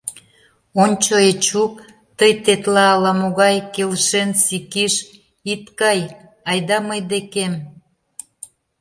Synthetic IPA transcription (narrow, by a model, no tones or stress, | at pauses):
onʲt͡ɕoet͡ɕuk̚ | t̪əjt̪et̪lɑːlɑmoɣɑjkelʃensikiʃ | it̪kɑj | ɑjd̪ɑməjd̪ekem